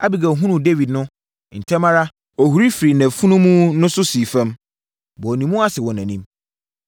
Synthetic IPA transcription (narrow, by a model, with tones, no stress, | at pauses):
a̰˦bi˨ɡa˨ɦũ˦nũ˨de˦vi˨dnʊ̃˦ | n̩˨tʰɛ̃˦mã˦ɾa˦ | ɔ˨hu˨ɾi˦fi˨ɾi˨næ̃˨fũ˦nũ˦mũ˦nʊ̃˦sʊ˦si˨fɛ̃˦m | bɔ˨nĩ˨mũ˦a˦sɪ˨wɔ̃˨nãæ̃˨nĩ˦m